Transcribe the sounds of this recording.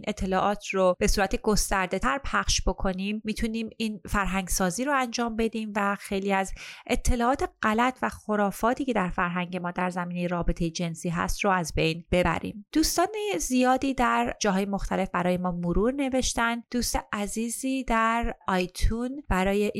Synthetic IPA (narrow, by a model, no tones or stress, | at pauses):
nʔet̪ʰːe̞lɒːʔɒːt̪ʰrob̥e̞suːɾæt̪ʰeɡo̞st̪æɾd̪e̞t̪ʰæɾpʰæxʃb̥o̞kʰo̞niːmːiːt̪ʰuniːmiːnfæɾɦæŋɡsɒːziːɾoænd͡ʒɒːmbe̞d̪iːmvæxe̞jliːæzʔet̪ʰːe̞lɒːʔɒːt̪ʰe̞ɢælæt̪ʰvæxo̞ɾɒːfɒːt̪ʰiːcʰe̞d̪æɾfæɾɦæŋɟe̞mɒːd̪æɾzæmiːne̞jeɾɒːbet̪ʰe̞jed͡ʒe̞nsiːɦæ̰st̪roæzbe̞jnb̥e̞bæ̰ɾḭːmd̪̥uːst̪ɒːnezijɒːd̪iːd̪æɾd͡ʒɒːɦɒːjemo̞xt̪ʰæle̞fbæɾɒːjemɒːmoɾuːɾne̞ve̞ʃt̪ænd̪d̪uːst̪eʔæziːziːd̪æɾɒjt̪ʰunb̥æɾɒːjeʔ